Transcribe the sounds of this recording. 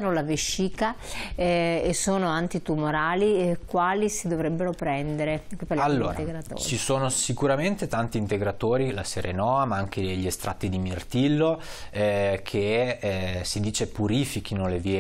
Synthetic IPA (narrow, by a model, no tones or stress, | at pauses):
nolaviʃːiːka | esoːnoant̪it̪umoɾaːlikwaːlisid̪ovɾɛbːeɾopɾɛnd̪eɾekupalaalːoːɾat̪eɡɾat̪o̰t͡ʃːt͡ʃt͡ʃisoːnosikuɾament̪et̪ant̪iːnt̪eɡɾat̪oːɾilaseɾenɔːamaaŋk̟ed̪eʎːiest̪ɾa̰t̪ːid̪imirt̪ilːo | kʰe | sid̪iːt͡ʃepuɾiːfik̟inoleviːe